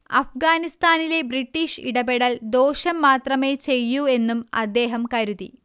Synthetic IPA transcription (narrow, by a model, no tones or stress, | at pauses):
ɐ̰fɡaːnist̪aːnile̞briʈːiːʂḭɽɐbeɽɐld̪o̞ːɕɐmːaːt̪rɐme̞ːt͡ɕe̞jːue̞nːumɐ̰d̪ːe̞ːɦɐmkɐɾuðḭ